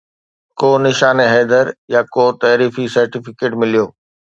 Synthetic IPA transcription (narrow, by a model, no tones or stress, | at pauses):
koːnɪʃaːnɦɛːd̪əɾjakoːt̪ɐːɾiːfisɐɾʈɪfɪkeːʈmɪlijoː